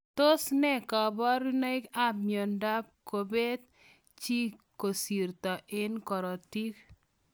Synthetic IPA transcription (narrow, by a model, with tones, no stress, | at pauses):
t̪o˦snɛ˦kɔ˨bɔ˦ɾu˦na˦i˦ka˦pmjo˨nda˦p̚ko˨be˦t̪̚ | t͡ʃi˦ko˨si˨ɾt̪ɔ˨ʔɪ˦nkɔ˨ɾɔ˨ti˦k